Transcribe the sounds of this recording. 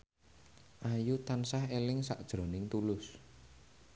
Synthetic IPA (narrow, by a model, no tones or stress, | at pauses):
ʔajut̪ansaɦelɪŋsaʔd̥ʒ̥ɾɔnɪŋt̪ulʊs